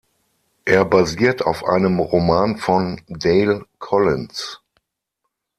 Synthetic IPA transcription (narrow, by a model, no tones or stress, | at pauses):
ʔeːɐbaziːɐta̰ʊfʔa̰ɪnəmʁomaːnfɔndeɪlkʰɔlɪns